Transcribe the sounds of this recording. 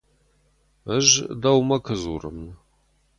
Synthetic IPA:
əʒdɐwmɐkʰɨzṵrɨ̰mn

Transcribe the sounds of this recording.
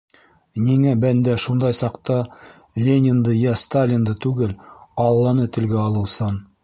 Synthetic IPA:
niŋæbænd̪æʃund̪ɑjsɑqt̪ɑ | lʲenʲɪnd̪ɤjæst̪alʲɪnd̪ɤt̪ʉɡɘlɑlˠːɑnɤt̪ɘ̆lɡæɑlˠɤ̆wsɑn

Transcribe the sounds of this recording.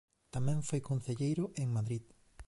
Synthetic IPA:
t̪amɛ̃ɱfojkon̟θeʎejɾʊʔeŋmaðɾið

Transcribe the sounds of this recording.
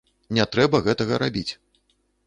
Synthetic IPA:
nʲɛt̪ɾɛbɐɣɛt̪ɐɣɐɾabʲit͡sʲ

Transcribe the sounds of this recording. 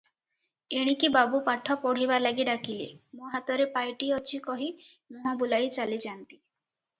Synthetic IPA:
eɽ̃ikibabupaʈʰːɔpɔɽ̤ibalaɡiɖakilḛmũɦat̪ɔɾepajʈiɔt͡ʃʰikɔɦi | muɦɔ̃bulajt͡ʃalid͡ʒant̪i̥

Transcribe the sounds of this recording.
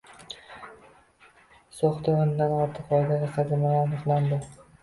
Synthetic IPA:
soχt̪aond̪anɒɾt̪ʰɨqɒjd̪ad̪ʲaqʰɑd̪ɪmalaɾnʊχland̪ɪ

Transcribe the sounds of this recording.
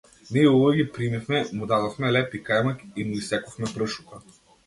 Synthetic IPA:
niɛɔvɔjɡʲipɾimifmɛmud̪ad̪ofmɛlɛpikajmakimuisɛkɔfmɛpɾəʃuka

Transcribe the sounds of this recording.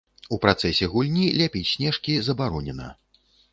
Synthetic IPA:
upɾat̪sɛsʲɛɣulʲnʲilʲapʲit͡sʲsʲnʲɛʂkʲizɐbaɾɔnʲɛnɐ̰

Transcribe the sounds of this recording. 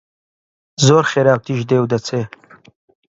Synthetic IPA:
zoːɾχeɾaːwt̪iʒd̪eːwd̪ɐt͡sʰe

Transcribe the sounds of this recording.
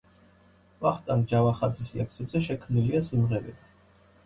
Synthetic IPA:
vaχt̪ʼamd͡ʒavaχad̪zislɛksɛbzɛʃɛkʰmniliasimʁɛɾi

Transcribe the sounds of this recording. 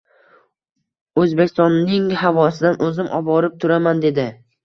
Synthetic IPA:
ɵzbekʲʰːɪst̪ɒnːɪŋhavɒsɪd̪anʔɵzɪmʔɒ̰bɒɾɪp̚t̪ʰʊɾamand̪e̞d̪ɪ

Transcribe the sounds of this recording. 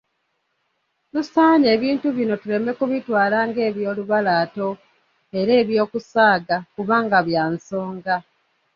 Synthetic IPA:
nusaːne̞ːβiːntuβino̞tule̞me̞kuβitwaːlaːŋɡe̞ːβjo̞ːluβalaːto̞ | e̞ɾe̞ːβjo̞ːkusaːɡakuβaːŋɡaβjaːnso̞ːŋɡa

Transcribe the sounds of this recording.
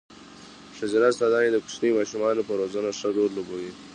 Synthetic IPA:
ʂad͡ʒaɾasad̪ɑned̪əkʊ̥snimɑʃumɑnopəɾozanaʂəd̪oɾlobowi

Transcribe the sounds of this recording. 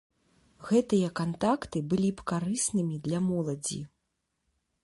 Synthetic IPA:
ɣɛt̪ɨjɐkant̪akt̪ɨbɨlʲipkaɾɨsnɨmʲid̪lʲɐmɔlˠɐd͡zʲḭ

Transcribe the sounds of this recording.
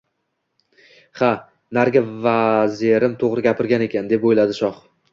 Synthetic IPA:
ha | naɾɡʲavazeɾɪmt̪ʰoʁɾɪɡʲapʰɪɾɡʲane̞kʲʰand̪e̞pojlad̪ɪʃɒχ

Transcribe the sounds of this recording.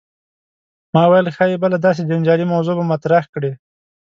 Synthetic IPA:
mɑwajalxajebalad̪ɑs̬ed͡ʒand͡ʒɑlimawzobamat̪ɾaxkɽe

